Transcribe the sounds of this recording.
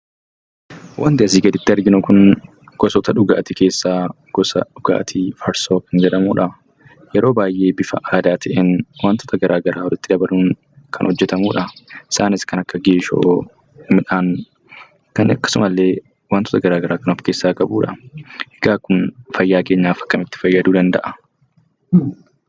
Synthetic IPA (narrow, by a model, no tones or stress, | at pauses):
wʔɐnt̪ɪɐs̬iːɡɐd̪ɪt̪ːɪɐɾɡɪnʊkʊn | ɡ̥ɔsɔt̪ɐᶑʊɡa̰ːt̪ɪke̞ːsːaː | ɡ̥ɔsɐ̰ɗʊɡa̰ːt̪ʰifɐɾsoːkɪnd͡ʒɛᶑɐmuːᶑɐ | jɛɾʔo̞ːbaːjʔe̞ːbɪfɐ̰ʔaːd̪aːt̪ʰɛʔɛnwaːnt̪ɔ̥t̪ɐɡɐɾʔaːɡɐɾʔaːwɔlɪt̪ːɪd̪ɐbɐluːŋ | kʰɐ̰nhɔd͡ʒːɛt̪ɐmuːᶑɐɪ̥saːnɪskɐnɐkːɐɡeːʃo̰ː | mɪᶑaːn | kɐnɐkːɐ̥sʊmɐlːe̞ː | waːnt̪ːɔ̥t̪ɐɡɐɾaːɡɐɾaːkɐnɔfke̞ːsːaːkɐbuːᶑɐ̰ɛɡaːkːʊnfɐjːaːke̞ːɲːaːfɐ̥kːɐmɪt̪ːɪ̥fɐjːɐd̪uːd̪ɐnd̪ɐʔɐ